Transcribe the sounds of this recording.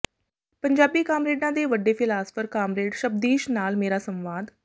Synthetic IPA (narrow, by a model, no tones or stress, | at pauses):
pəɲd͡ʒaːbiːkaːmɾeːɖãːd̪eːʋəɖːeːpʰɪlaːspʰəɾkaːmɾeːɖʃəb̚d̪iːʃnaːlmeːɾaːsə̃mʋaːd̪